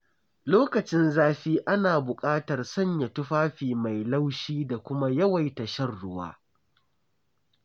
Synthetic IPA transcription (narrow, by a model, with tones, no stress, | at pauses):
loː˦kɐ˨t͡ʃɪ˦nzaː˦ɸiː˦ʔa˦naː˨bʊ˨kʼaː˦tɐ˨rsɐ˦ɲja˨tʊ˦ɸaː˦ɸiː˨ma˨jla˦wʃiː˦da˨kʷʊ˦ma˦jɐ˦wa˨jtɐ˨ʃɐ˦rɽʊ˦wa̰ː˦